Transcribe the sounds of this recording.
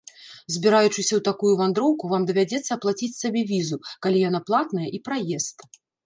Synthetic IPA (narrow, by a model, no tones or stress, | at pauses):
zʲbʲiɾajut͡ʂɨsʲɐwt̪akujuvand̪ɾɔwkuvamd̪ɐvʲad͡zʲɛt̪sːɐːplˠat͡sʲit͡sʲsabʲɛvʲizukalʲijanaplˠat̪nɐjɛʔipɾajɛst̪